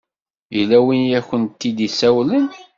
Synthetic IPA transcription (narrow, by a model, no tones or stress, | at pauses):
jlːæwinjæçənt̪ːid̪isæwlən